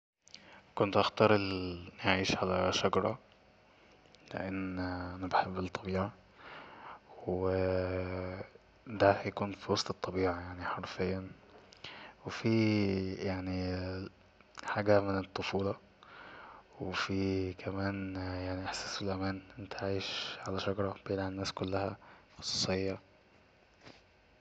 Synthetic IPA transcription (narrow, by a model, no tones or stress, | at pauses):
kont̪ʔɑxt̪ɑɾˤelʕiːʃʕalæʃɑɡɑɾˤɑ̰ | lḛʔenːʔænæbeħebːelt̪ˤʰːɑbiːʕa | w | d̪æhjækuːnfiwɑsˤt̪et̪ˤːɑbiːʕajaʕniħɑɾˤfejːæ | wefijaʕni | ħaːɡæmenet̪ˤːofuːlɑ | wefikʰæmæːnjaʕniʔeħsæːselʔæmæːnʔent̪ʰæʕajʃʕalæʃɑɡɾˤɑb̥enʕenːæːskolːæhæxo̥sˤɑ̥ːsˤejːɑ